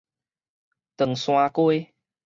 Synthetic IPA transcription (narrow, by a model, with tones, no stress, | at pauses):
t̪ə˨˩ŋsw̃ã˧ku˦j